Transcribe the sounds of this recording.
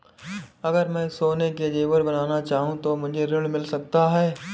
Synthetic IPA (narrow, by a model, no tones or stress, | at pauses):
ɐɡəɾmɛ̃ːsoːneked͡ʒeːʋəɾbɐnaːnat͡ʃaːɦũt̪omʊd͡ʒʱeɾɪɽ̃mɪlsɐk̚t̪aɦɛː